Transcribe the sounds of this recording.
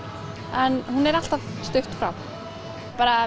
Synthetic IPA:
ɛnhunɛɾal̥t̪avst̪ʏht̪fɾa̰w | paːɾa

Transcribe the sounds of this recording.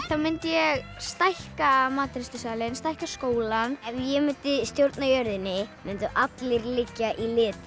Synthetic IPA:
θamɪnt̪jɛɣst̪ajhkamaːt̪ɾɪst̪ʏsaːlɪnst̪ajhkaskoːwlanɛvjɛmʏnt̪ɪst̪jowɾt̪najœɾðɪnːɪmʏnt̪ɪʔat̪lɪɾlɪcːaʔilɪːt̪

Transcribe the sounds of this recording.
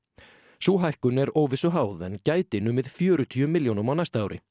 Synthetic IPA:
suːɦajhkʏnɛɾoːwvɪsʏɦaːwðɛncaːjt̪ɪɪnʏmvɪðfjœːɾʏt̪ʰyːʏmɪljownʏmawnajst̪aaːwɾʔɪ̰

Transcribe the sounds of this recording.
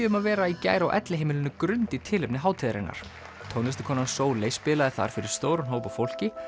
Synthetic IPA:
ʏmaðvɛːɾaica̰ːjɾawʔɛ̰t̪lɪɦeːjmɪlɪnːʏkɾʏnt̪it̪ʰɪːlɪpnɪɦaːwt̪ʰɪːðɾɪ̰nːa̰ɾ̥ | t̪ʰownɛst̪ɪ̥kʰɔːnansoːwleːjspɪːlaðɪθa̰ɾ̥fɪɾɪɾ̥st̪oːwɾʏnɦowpafowl̥cɪ

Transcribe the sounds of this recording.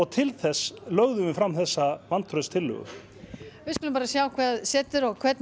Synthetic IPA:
ɔɣt̪ʰɪlθɛsːlœɣðʏvɪfɾamːθɛsːavant̪ʰɾœðst̪ʰɪlːʏ̰ɣʏ̰ | vɪðkʏlʏmpaɾasjawkʰvɛðsɛːt̪ʏɾɔɣkʰvɛt̪n

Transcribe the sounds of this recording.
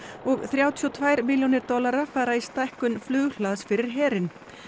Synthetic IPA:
ɔɣθɾjaːwt̪ʰiɔt̪ʰvaːjɾmɪljɔwnɪɾt̪ɔlaɾafaːɾaist̪ajhkʏnflʏːɣl̥aːðsfɪɾɪɾ̥ɦɛːɾɪn

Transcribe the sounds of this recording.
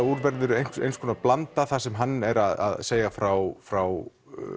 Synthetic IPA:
uɾvɛɾðʏɾejnḛjnskʰɔnaplant̪aθasɛmɦanːɛɾaða̰ðseːjafɾawfɾaw

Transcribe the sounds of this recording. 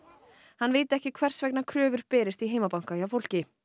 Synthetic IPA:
hanːveːjt̪ɪɛhcɪkʰvɛr̥svɛk̚nakʰɾœːvʏɾpɛːɾɪst̪iɦeːjmapawŋ̥kajawfowl̥cɪ

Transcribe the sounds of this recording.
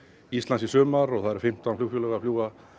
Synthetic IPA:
ist̪lansisœːmaɾɔɣθaðɛɾ̥fɪm̥t̪anfl̥uːfjɔlɛɣafljuːɣa

